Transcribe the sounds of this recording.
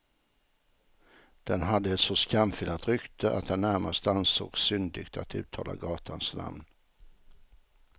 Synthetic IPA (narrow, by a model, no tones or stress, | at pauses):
d̪̥ɛnɦad̪ːəɛt̪sɔskamfɪlat̪ɾʏkt̪ʰəʔa̰t̪̚d̪ɛnːæɾmast̪əanso̰ːɡsʏnd̪ɪɡ̥t̪ʰat̪ʉ̟̰ːt̪ʰːɑːla̰ɡɑːt̪ʰansna̰mn